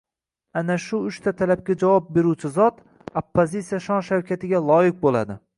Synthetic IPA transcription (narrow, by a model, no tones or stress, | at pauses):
anaʃʊʊʃt̪ʰat̪ʰalap̚ɡʲad͡ʒavɒp̚be̞ɾuwt͡ʃʰɪzɒt̪ | opːozit̪sijaʃɒnʃawkʲʰat̪ɪɡʲalˠɒjɪq̚bola̰d̪ɪ